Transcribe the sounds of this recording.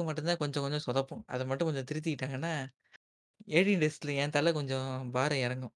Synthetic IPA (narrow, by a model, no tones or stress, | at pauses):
ɯmɐʈːɯ̃nt̪aːkɔɲd͡ʒɔ̃kɔɲd͡ʒɔ̃sɔðɐpːʊ̃ʔɐ̰ðɐmɐʈːɯ̃kɔɲd͡ʒɔ̃t̪ɪɾɪt̪̬ːɪkːɪʈːaːŋɡɐnːaː | eːɽinɖɛsɪlɐɛːnt̪ɐlɐkɔɲd͡ʒɔ̃baːɾɐɪɾɐŋɡʊ̃